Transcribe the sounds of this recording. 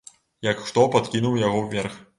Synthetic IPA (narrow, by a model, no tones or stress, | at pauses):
jɐkxt̪ɔpat̪kʲinuwjaɣɔwvʲɛrx